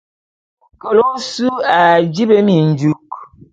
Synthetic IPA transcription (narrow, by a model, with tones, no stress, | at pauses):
ko˨lo˦su˦a˨d͡ʒi˦be˦mi˨n̩˨d͡ʒu˦k